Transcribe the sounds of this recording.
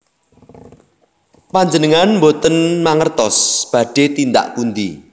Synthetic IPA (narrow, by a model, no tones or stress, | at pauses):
paɲd͡ʒənəŋanmbot̪ənmaŋərt̪ɔsb̥a̤ɖ̥e̤t̪ind̪a̰ʔkund̪i